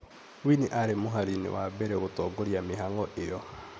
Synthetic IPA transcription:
winiʔaɾemoɦaɾinḛwabɛɾɛɣotɔɡoɾjameɦaŋɡɔʔejɔ

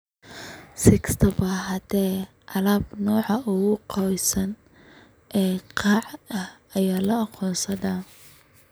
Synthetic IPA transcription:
sɪkst̪ʰɐbaːɦɐt̪ʰɛː | ʔɑlaːbnɔːʕɑʔʊɣʊqʰɔjsɐn | ʔɛːqɑːʕɐhɐjaːlɐɑqʰɔːnsɐðaː

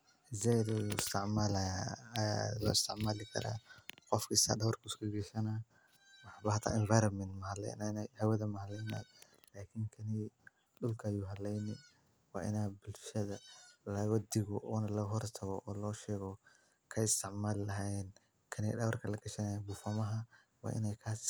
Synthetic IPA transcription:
hɪsɛd̪uɪst̪ʰɪʕmaːlɐjaalɔ̰ːɪst̪ʰɪʕmaːlɪkʰɐ̰ɾa̰ːqɔfkʰist̪a̰ːdɐwɐrkʰɐʊskʰʊɡɛʃɐnaː | wɑħaːbɐhɐt̪ʰa̰ːɪnvajɾɔnmɛnt̪mɐɦɐlɛ̰jnɛnɛhɛwɐðɐmɐɦɐlɛjna̰ːj | laːkʰɪŋkʰɐni | ɗʊlkʰɐjuːɦɐlɛjnɪ | wɑ̰ːʔɪ̰naːbʊlʃɐðɐlɐwɐd̪ɪɣʊʔɔːnɐlɐɦɔrt̪ʰɐɣɔɔːlɔːʃɛːɣɔ | kʰɐɪst̪ʰɪʕmaːlɪlɐɦajɛn | kʰɐnɛɗɐwrkʰɐlɐɡɐʃɐnajabʊfɐmɐɦɐ | wɑ̰ːʔɪ̰nɛjkʰaːs

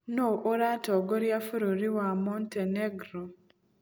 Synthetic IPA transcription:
noʔoɾatɔɡoɾjafuɾuɾiwamonteneɡɾo

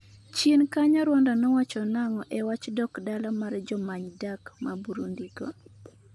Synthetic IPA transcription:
t͡ʃjenkaɲaɾwɔndɔnɔwat͡ʃɔnaŋɔʔɛwat͡ʃdɔkdalɔmard͡ʒɔmaɲdakmabuɾundiɡɔ̰

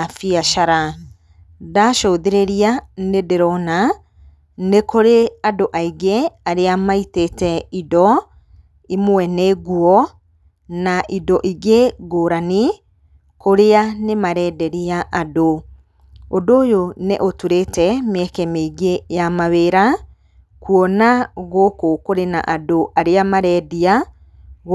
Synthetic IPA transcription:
afiaʃaɾa | daʃoðeɾeɾianedeɾɔna | nekoɾeadoʔaiɡeaɾeamaitetɛidɔ | imoɛneɡuɔ | naʔidɔʔiɡeɡoɾani | koɾeanemaɾɛːdɛɾiaʔado | odoːjoneʔotuɾetɛmeɛkɛmeiɣejamaβeɾa | kuɔnaɣokokoɾena̰ʔadoʔaɾeamaɾɛdia | ɣ

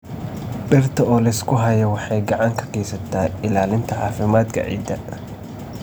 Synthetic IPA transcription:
ɗɪrt̪ʰɔɔːlɪskʰʊɦɐjɐwɑħɑjɡɐʕaŋkʰɐ̥kʰeːjsɐt̪ʰːaːɪlaːlɪnt̪ʰɐʕa̰ːfɪmaːd̪kʰɐ̰ʕḭːd̪ːɐ

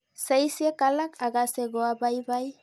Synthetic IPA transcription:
sejsiekalakaɣaseɣoabajbaj

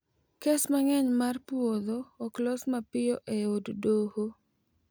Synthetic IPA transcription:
kesmaŋɛɲmarpwoðoːklɔsmapɪɔʔeoddoho

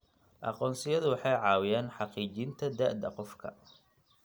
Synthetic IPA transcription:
ʔɑ̰qɔːnsɪjɐðʊwɑħɑjʕɑːwɪjaːnħɑqiːt͡ʃɪnt̪ʰɐd̪aːʔd̪ɐ̰qɔfkʰɐ̰

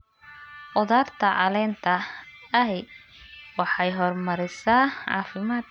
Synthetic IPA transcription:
ʔɔðaːrt̪ʰɐʕɑ̰lɛːnt̪ʰɐɐɦɛj | wɑħɑjɦɔrmɐɾɪsaːʕɑ̰ːfɪmaːd̪

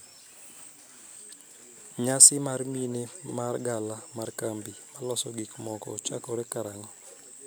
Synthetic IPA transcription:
ɲasɪmarminemarɡalamarkambimalɔsɔɡikmɔkɔ̰t͡ʃa̰kɔɾɛkaɾaŋɔ

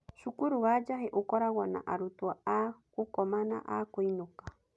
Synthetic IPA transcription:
ʃukuɾuwad͡ʒaɦeʔukoɾaɣana̰ʔaɾut̪uaakukɔmana̰ʔa̰koinuka

